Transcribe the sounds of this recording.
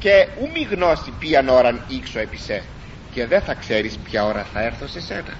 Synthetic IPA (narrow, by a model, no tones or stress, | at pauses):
ceumiɣno̞sipiɐno̞ɾɐnikso̞e̞pi̥se̞ | ce̞ðeθɐkse̞ɾispçɐo̞ɾɐθɐeɾθose̞se̞nɐ